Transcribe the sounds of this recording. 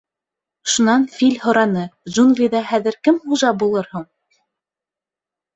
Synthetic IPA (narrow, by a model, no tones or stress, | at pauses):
ʃunɑnfilʲhŏɾɑnɤʒunɡlʲiðɑhæðɘ̆ɾkɘmχuʒɑbulˠɤɾhuɴ